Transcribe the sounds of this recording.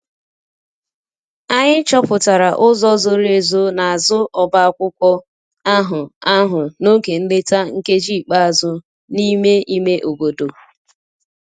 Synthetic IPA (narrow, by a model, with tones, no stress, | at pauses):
a˦ɲɪ˦t͡ʃɔ˦pʊ˨ta˨ɾa˨ʔʊ˦zɔ˦zʊ˦ɾe˨zo˦na˨a˨zʊ˦ʔɔ˨ba˦a˨kʷʊ˦kʷɔ˦ | a˦ɦʊ˨a˦ɦʊ˨no˦ke˨n̩˦le˦ta˦ŋ̩˦ke˦d͡ʒi˦˨k͡pa˦a˨zʊ˦ | ni˦me˦i˦me˦ʔo˨bo˨do˨